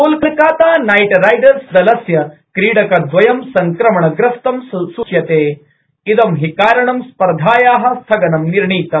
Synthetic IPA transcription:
uːlkɐlkaːt̪aːnajʈɾajɖɐɾsd̪ɐlɐsjɐkɾiːɽɐkɐd̪ʋɐjɐmsɐŋkɾɐmɐɳɐɡɾɐst̪ɐmssuʃjɐt̪eː | id̪ɐmɦikaːɾɐɳɐmspɐɾd̪ʱaːjaːɦɐ̆st̪ʰɐɡɐnɐmniɾɳiːt̪ɐm

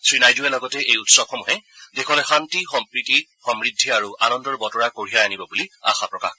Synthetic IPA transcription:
sɹinajduɛlɔɡɔtɛʔejutsɔbxɔmuɦɛdekʰɔlɛxantixɔmpɹitixɔmɹidʱːiaɹuʔanɔndɔɹbɔtɔɹakoɹijaanibɔbulia̰xapɹɔka̰x

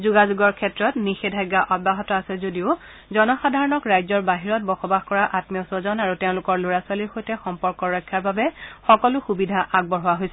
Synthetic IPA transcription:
zuɡazuɡɔɹkʰɛtɹɔtnixedʱajɡːaʔɔd̚baɦɔtɔasɛzodiʊ | zɔnɔxadʱaɹɔnɔkɹajzɔɹbaɦiɹɔt̚bɔxɔbaxkɔɹaʔatmijɔsozɔnaɹuteʊ̃lʊkɔɹloɹaswaliɹxojtɛxɔmpɔɹkɔɹɔjkʰːjaɹbabɛxɔkɔlʊxubidʱaʔaɡ̚bɔɹɦɔwaɦojsɛ

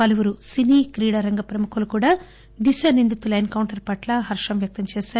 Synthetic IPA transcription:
pɐluʋuɾusiniːkɾiːɽɐɾɐŋɡɐpɾɐmukulukuːɽaː | d̪iʃɐnind̪ut̪ulɐjnkɐwɳʈɐɾpɐʈlɐɦɐɾʂɐmʋjɐk̚t̪ɐmt͡ʃɛːʃaːɾu

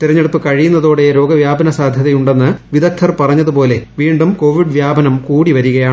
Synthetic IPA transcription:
t̪iɾɐɲːe̞ɽupːɨkɐɻijunːɐðoːɽejɾo̞ːɡɐʋjaːbɐnɐsaːd̪ʱjɐðɐjuɳɖe̞nːɨʋiðɐk̚t̪ʰɐrpɐrɐɲːɐðupo̞ːle̞ʋiːɳɖumko̞ːʋiɖʋjaːbɐnɐmkuːɽiʋɐɾuɣɐjaːɳɨ

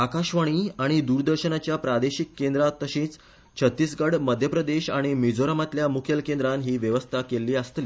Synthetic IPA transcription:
akaɕʋaɽ̃iːaɽ̃id̪uɾd̪əɾɕənat͡ɕjapɾad̪eɕikːend̪ɾat̪əɕĩːt͡s | t͡ɕʰət̪ːiːsɡaɽməd̪ʱjəpɾəd̪eɕaɽ̃imid͡zoɾamat̪ljamukʰjelkẽnd̪ɾanɦiːʋjəʋəst̪ʰakelːiːəst̪liː

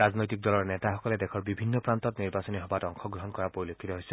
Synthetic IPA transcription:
aznojtik̚dɔlɔɹnɛtaxɔkɔlɛdɛkʰɔɹbibʱinːɔpɹantɔtniɹbasɔniɦɔbatɔŋxɔɡɹɔɦɔnkɔɹapoɹilokʰːit̪ɔɦojsɛ

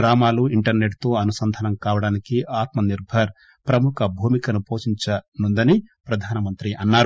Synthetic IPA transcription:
ɾaːmaːluiɳʈɐɾneʈt̪o̞ːɐnusɐnd̪ʱɐnɐmkaːʋɐɽaːnikiaːt̪mɐniɾbʱɐɾ | pɾɐmukʰɐbʱuːmikɐnupoːʃiɲt͡ʃɐnund̪ɐnipɾɐd̪ʱaːnɐmɐnt̪ɾiʔɐnːaːɾu

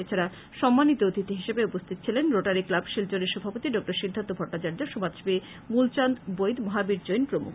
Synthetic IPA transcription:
et͡ɕʰaɾa | ʃɔmːanit̪oot̪it̪iɦiʃebeupost̪ʰit̪o̥t͡ɕʰilenɾoʈaɾiklabʃild͡ʑoneɾʃɔbʱapot̪iɖɔk̚ʈoɾʃid̪ʱːant̪obʱɔʈːat͡ɕaɾd͡ʑoʃomad̪ʃbi | mult͡ɕand̪bojd̪moɦabiɾd͡ʑojnpɾomṵk

